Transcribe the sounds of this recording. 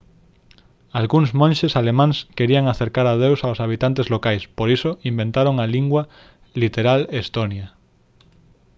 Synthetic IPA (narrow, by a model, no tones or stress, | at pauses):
alɣuŋzmõnʲʃesalemãŋskeɾiaŋaθeɾkaɾað̞ewsaosaβ̞it̪ant̪ezlokajspoɾisoimbẽnt̪aɾoŋaliŋɡwa | lit̪eɾalest̪onja